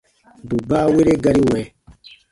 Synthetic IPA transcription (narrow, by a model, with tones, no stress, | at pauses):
bu˨ba˦we˦ɾe˦ɡa˦ɾi˦wɛ˨